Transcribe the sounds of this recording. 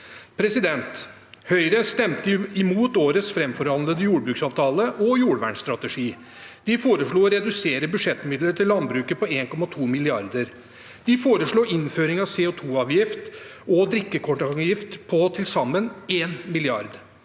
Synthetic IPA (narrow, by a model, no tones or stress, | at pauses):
pʰɾɛsɪd̪ɛnt̪ | hœʏɾəst̪ɛmt̪əɪmuːt̪oːɾəsfɾɛmfɔɾhɑnləd̪əjuːɽbɾʉːksɑːʋt̪ʰɑːləʔɔjuːɽʋæ̰ːɳst̪ɾɑt̪əʂiː | d̪̥ɪfoːɾəʂɭuːɔɾɛd̪ʉseːɾəbʉʂɛt̪ːmɪd̪ləɾʈ̪ʰɪlːɑnbɾʉːkəpɔeːnkʰɔmɑt̪ʰuːmɪlɪɑɾd̪əɾ | d̪̥ɪfoːɾəʂɭuːɪnføːɾɪŋɑʋseːot̪ʰuːɑːʋjɪft̪ɔd̪ɾɪkːəkʰɔʈɑŋjɪft̪pʰɔt̪ʰɪlsɑmːəneːnmɪlɪɑɾd̪